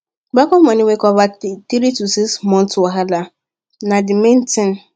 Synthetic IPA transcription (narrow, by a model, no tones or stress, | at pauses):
ɡ͡bakɔmaniwekɔvatiɾitusismɔ̃n̩tɔɦala | nadimen̩tɪn